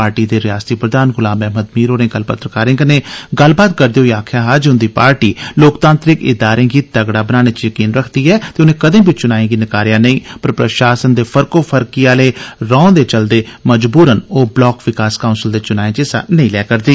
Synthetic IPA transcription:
aːɾʈiːd̪eːɾɪjaːst̪iːpɾəd̪aːnɡʊlãːmɛːməd̪miːɾoːnẽːɡəlpət̪ːɾəkaːɾẽːkənẽːɡəlbaːt̪̚kəɾd̪eːɦoiːaːkʰjaːɦad͡ʒʊnd̪iːpaːɾʈiːloːkt̪ãːnt̪ɾɪkɪ̰d̪aːɾẽːɡiːt̪əɡɽaːbənaːɽ̃eːt͡ʃjəkiːnɾəkʰd̪iːɛːt̪eːʊnẽːkəd̪ẽːbʱiːt͡ʃʊnaːẽːɡiːnɪkaːɾɪjãːnəĩːpəɾpɾəʃaːsənd̪eːpʰəɾkoːpʰəɾkiːaːleːɾɔ̃ːd̪eːt͡ʃəld̪eːməd͡ʒbuːɾənoːblɔːkʋɪkaːskaʊnsɪld̪eːt͡ʃʊnaːẽːt͡ʃeːsa̰ːnəĩːlɛːkəɾd̪iː

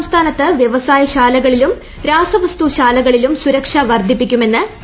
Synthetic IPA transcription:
mst̪ʰaːnɐt̪ːɨʋjeʋɐsaːjɐɕaːlɐɣɐɭilum | ɾaːsɐʋɐst̪uɕaːlɐɣɐɭilumsuɾɐkʂɐʋɐrd̪ʱipːikʲːume̞nːɨ

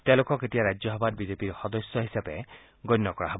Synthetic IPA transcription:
t̪elokɔketijaɾad͡ʒjɔɦɔbad̚bidepiɾxɔd̪ɔsjɔɦisabe | ɡɔjnːɔkɔɹa̰ɦɔb

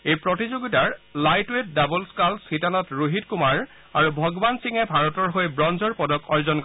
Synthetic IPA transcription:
ejpɹɔtizoɡitaɹlajtwet̚dabɔlskalsitanɔtɹuɦitkumaɹ | aɹubʱɔɡɔbansiŋɛbʱaɹɔtɔɹɦojbɹɔnzɔɹpɔdɔkɔɹzɔnk

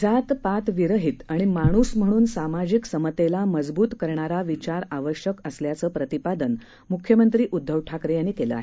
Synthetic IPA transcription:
d͡zat̪pat̪ʋiɾəɦit̪aɽ̃imaɽ̃usm̤əɽ̃uːnsamad͡ʑiksəmət̪elaməd͡zbuːt̪kəɾɳaɾaʋit͡ɕaɾaʋəɕjəkəsljat͡səːpɾət̪ipad̪ən | mukʰjəmənt̪ɾiːʔud̪ʱːəʋʈʰakɾejaɽ̃ikeləa̰ɦe

